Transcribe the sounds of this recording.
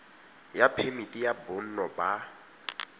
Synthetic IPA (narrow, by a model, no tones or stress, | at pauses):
japʰemitʼijabʊn̩nɔba